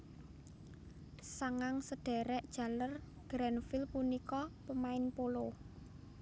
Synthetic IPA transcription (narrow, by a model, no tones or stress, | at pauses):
saŋaŋsəd̥ɛ̤ɾɛʔd̥ʒ̥ä̤lər | ɡ̥ɾanfilpunikɔpəmaɪnpolo